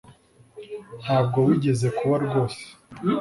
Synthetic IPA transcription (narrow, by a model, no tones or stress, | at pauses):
n̥haːb̚ɡo̞βuɟe̞ze̞kuβaɾɡo̞ːse̥